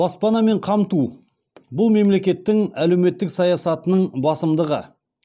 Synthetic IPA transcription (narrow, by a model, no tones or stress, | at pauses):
bɑspɑnɑme̞ɴqʰɑmt̪u | bʊlˠme̞mle̞kʲe̞t̪ːɪŋæle̞wme̞t̪ːɪksɑjɑsɑt̪ənəɴbɑsəmd̪əʁə̰